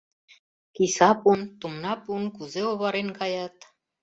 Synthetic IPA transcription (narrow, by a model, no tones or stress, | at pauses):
kisɑpunt̪umnɑpunkuzeoβɑɾenkɑjɑt̪